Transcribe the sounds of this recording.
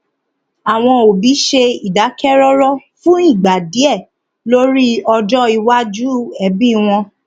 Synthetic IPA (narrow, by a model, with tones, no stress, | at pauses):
a˨w̃ɔ̃˧o˨bi˨˦ʃe˧i˨da˨˦kɛ˦ɾɔ˦ɾɔ˦fũ˦i˦˨ɡ͡ba˨di˨˦ɛ˦˨ | lo˦ɾi˦ɔ˧d͡ʒɔ˦i˧wa˦d͡ʒu˦ɛ˨˦bi˦w̃ɔ̃˧